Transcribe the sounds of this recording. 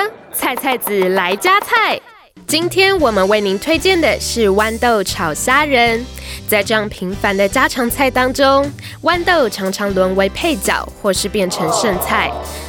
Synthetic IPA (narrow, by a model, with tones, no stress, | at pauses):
t͡sʰa˥˧ɪt͡sʰa˥˩ɪt͡sɹ̩˨˩la˧˥ɪt͡ɕja˥t͡sʰa˥˩ɪ | t͡ɕi˥nt̪ʰjɛ˥nwɔ˨˩mə˦nwe˥˩ɪni˧˥nt̪ʰwe˥ɪt͡ɕjɛ˥˩nd̪ə˨˩ʂɻ̩˥˩wa˥nt̪o˥˨ʊʈ͡ʂʰɑ˨˩ʊɕja˥ɻə˧˥nt͡sa˥˧ɪʈ͡ʂɤ˥˧jɑ˥˩ŋpʰi˧˥ŋfa˧˥nd̪ə˨t͡ɕja˥ʈ͡ʂʰɑ˧˥ŋt͡sʰa˥˩ɪt̪ɑ˥ŋʈ͡ʂʊ˥ŋ | wa˥˦nt̪o˥˩ʊʈ͡ʂʰɑ˧˥ŋʈ͡ʂʰɑ˧˥ŋlwə˧˥nwe˧˥ɪpʰe˥˩ɪt͡ɕjɑ̰˨˩˦ʊxwɔ˥˧ʂɻ̩˥˧pjɛ˥˩nʈ͡ʂʰə˧˥ŋʂə˥˧ŋt͡sʰa˥˩ɪ